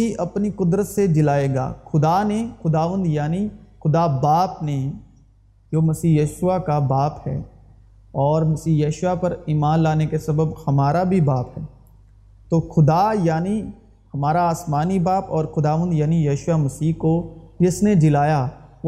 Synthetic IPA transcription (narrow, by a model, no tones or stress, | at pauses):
iʔɐpnikʊd̪ɾət̪sed͡ʒɪlaːeːɡa̰ːxʊd̪anexʊd̪aːʋə̃nd̪jaːnixʊd̪abaːpne | d͡ʒoːmɐsiːjəːʃʊʋakabaːphɛ̰ː | ɔːɾmɐsiːjɐːʃʊʋapɐɾiːmaːnlaːnekesɐbəbhɐmaːɾabʱibaːpɦɛː | t̪oːxʊd̪ajaːni | hɐmaːɾaaːsmaːnibaːpɔːɾxʊd̪aːʋə̃nd̪jaːnijɐːʃʊwamɐsiːkod͡ʒɪsned͡ʒɪlaːja